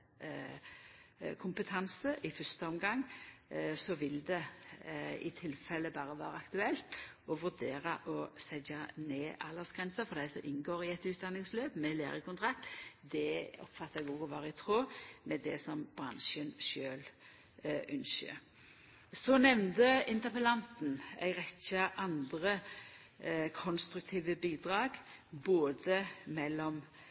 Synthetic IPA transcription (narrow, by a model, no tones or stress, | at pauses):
kʰʊmpət̪ʰɑnsəʔɪfœʁst̪əɔmɡɑŋː | sɔʋɪld̪ɛ | ɪ̰t̪ʰɪlfɛlːəbɑːʁəʋɑ̰ːɾəɑkt̪ʉɛlt̪ | ɔʋʉʁd̪eːɾɑʔɔsɛd͡ʒɑneːʔɑ̰lːəsɡ̥ʁɛnsəfɔʁd̪æɪsɔmʔɪnːɡoːɾɪɛt̪ʉːt̪̚d̪ɑnːɪŋsløːpmɛleːɾəkʰʊnt̪ʰɾɑkt̪d̪ɛɔ̰pfɑt̪ːəɛɡɔɡɔʋɑːɾəɪt̪ʰʁoːmɛd̪ɛ̰sɔmb̥ɾɑnʃənʃøːl | ʔʉnʃə̰ | sɔnɛʋnd̪əɪnt̪əpəlɑnt̪n̩æ̰ɡʁɛçɑʔɑnd̪ɾə | kʰɔnst̪ɾʉk̚t̪ʰiːʋəbiːd̪ʁɑːɡ | boːd̪əmɛlːɔm